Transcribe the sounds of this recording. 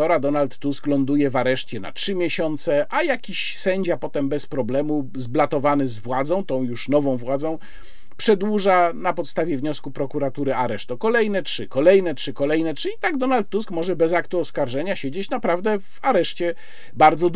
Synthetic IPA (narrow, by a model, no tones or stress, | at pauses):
ɔɾad̪ɔnalt̪ːusklɔnd̪ujɛvaɾɛʂt͡ɕɛna̰tʂɘmʲjeɕɔnt̪sɛʔajakʲiɕ | sɛɲd͡ʑapɔt̪ɛmbɛspɾɔblɛmu | zblat̪ɔvanɘzvwad̪zɔ̃w̃t̪ɔ̃w̃juʂnɔvɔ̃w̃vwad̪zɔ̃w̃ | pʂɛd̪wuʐanapɔt̪st̪avʲjɛvɲɔskupɾɔkuɾat̪uɾɘaɾɛʂt̪ɔkɔlɛjnɛtʂɘkɔlɛjnɛtʂɘkɔlɛjnɛtʂɘit̪aɡ̚d̪ɔnalt̪ːuskmɔʐɛbɛzakt̪uɔskaɾʐɛɲaɕed͡ʑet͡ɕnapɾavd̪ɛvaɾɛʂt͡ɕɛ | baɾd̪zɔd̪